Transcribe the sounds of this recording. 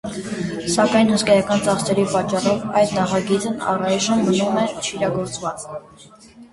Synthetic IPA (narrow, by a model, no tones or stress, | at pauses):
sɑkɑjnhuskɑjɑkɑnt͡sɑχsɛɾipɑt͡ʃːɑrɔvɑ̰jd̪nɑχɑɡit͡snɑ̰rɑjʒəmbənumɛt͡ʃʰiɾɑɡɔɾt͡svɑt͡s